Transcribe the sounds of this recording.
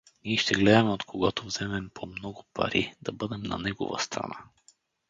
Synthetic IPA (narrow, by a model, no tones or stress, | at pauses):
niːʃt̪ɛɡlɛd̪ɐmɛot̪kʰoɡat̪ovz̥ɛmɛmpʰomnɔɡʊpɐ̰ɾid̪ɐbɤd̪ɛmnɐ̰nɛɡo̰və̰st̪ɾɐ̰na̰